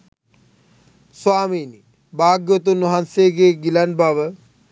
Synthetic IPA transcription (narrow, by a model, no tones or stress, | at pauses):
swaːmini | baːɡjot̪unuɦanseɡeɡilɐnbʱaʋə